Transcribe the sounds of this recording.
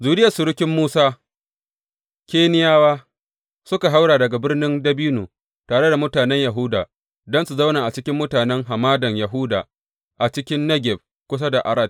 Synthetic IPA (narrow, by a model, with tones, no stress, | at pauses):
zuː˨dɪ˦jɐ˨sʊ˨ɾʊ˦kʲɪ˦mːuː˦saː˦ | kʲeː˦nɪ˦jaː˦waː˦ | sʊ˦ka˨ɦa˦wɽaː˨dɐ˨ɡa˨bɪ˦rnɪ˦ndɐ˦biː˦nuː˨ | taː˨ɽe˦da˨mʊ˦taː˨nɛ˦ɲja˨ɦʊ˦daː˨ | dɔ˦nsu˨za˦wnaː˨ʔa˨t͡ʃɪ˦kʲɪ˦mːʊ˦taː˨nɛ˦ŋɦa˨maː˦dɐ˨ɲja˨ɦʊ˦da̰ː˨ | ʔa˨t͡ʃɪ˦kʲɪ˦nːɐ˦ɡʲɛ˨b̚ | kʷʊ˦s̬a˦da˨ʔa̰˨ɾɐ˦d̚